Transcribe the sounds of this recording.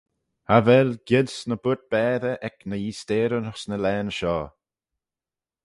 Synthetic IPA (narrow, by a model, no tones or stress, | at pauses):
havɛlɡ̥ɪd̪snəb̥ʊt̪̚b̥ɛːðəʔɛknəjiːst̪eːɾənəxsnəlɛːnʃɔː